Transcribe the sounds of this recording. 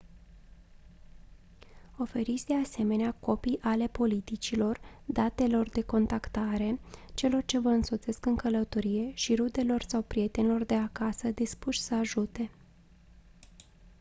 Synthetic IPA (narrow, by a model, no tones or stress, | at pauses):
o̞fe̞ɾit̪sʲd̪e̞ase̞me̞neako̞pijʔale̞po̞lit̪it͡ʃilo̞rd̪at̪e̞lo̞rd̪e̞ko̞nt̪akt̪aɾe̞t͡ʃe̞lo̞rt͡ʃe̞vəɨnso̞t̪se̞skɨŋkələt̪o̞ɾije̞ʃiɾud̪e̞lo̞rsawpɾije̞t̪e̞nelo̞rd̪e̞akasəd̪ispuʃʲsəaʒut̪e̞